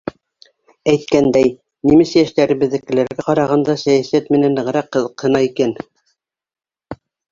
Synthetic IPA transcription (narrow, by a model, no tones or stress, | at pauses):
æjt̪̚kænd̪æj | nimɘsjæʃt̪æɾɘ̆bɘ̆ðːɘ̆kɘ̆læɾɡæqɑɾɑʁɑnd̪ɑsæjæsæt̪mɘ̆nænːɤ̆ʁ̆ɾɑqːɤ̆ðɤ̆qhɤ̆nɑikæn